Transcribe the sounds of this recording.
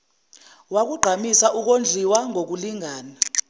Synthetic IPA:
wak̬uɡ͡ǃʱamisaʔuk̬ond͡ɮʱiwaŋʱok̬uliŋʱaːna

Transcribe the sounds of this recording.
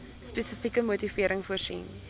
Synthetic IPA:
spɛsəfikəmutifiəɾəŋfuərsḭn

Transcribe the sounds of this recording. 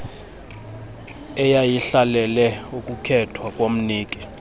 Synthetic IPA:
ɛjajiɬalɛlɛukʼukʰɛtʰwakʼwom̩niːkʼi̥

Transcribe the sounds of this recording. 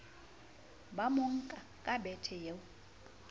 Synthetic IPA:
bamoŋ̩kʼakʼabɛtʰɛjeʊ

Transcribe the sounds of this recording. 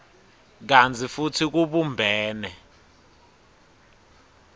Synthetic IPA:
k̬ant͡sʰʼifutʰik̬uɓumbʱɛːnɛ

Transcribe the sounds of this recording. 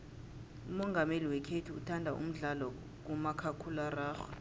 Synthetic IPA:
umɔŋɡʱameliwɛkʰetʰuṵtʰandʱaʔṵm̩ɮalɔ | k̬umakʰakʰularaːxɔ̥

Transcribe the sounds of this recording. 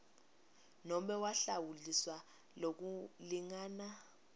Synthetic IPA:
nɔmɛwaɬawuliswa | lok̬uliŋaːna

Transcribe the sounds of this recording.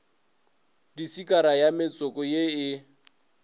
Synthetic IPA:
disikʼaɾajamɪt͡sʼɔkɔjeɪ

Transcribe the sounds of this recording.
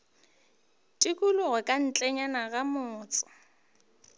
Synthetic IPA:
tʼɪkʼulʊɣɛkʼan̩t͡ɬʼɛɲanaɣamʊːt͡sʼɔ̥

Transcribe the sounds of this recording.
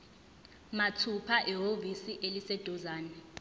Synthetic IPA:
matʰupʰaʔɛɦovisiʔelisɛd̥ʱɔzaːnɛ

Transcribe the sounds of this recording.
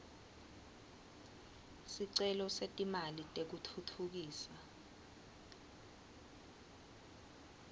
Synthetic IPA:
siǀɛlɔsetʼimalitʼek̬utʰutʰuk̬iːsa

